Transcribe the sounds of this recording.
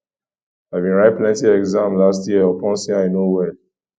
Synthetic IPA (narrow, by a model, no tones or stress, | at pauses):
aɪvbĩnɹaɪt̚pʰlɛ̃ntiɛɡzãmlastʰjiəɔpɔ̃nsĩaɪnowɛl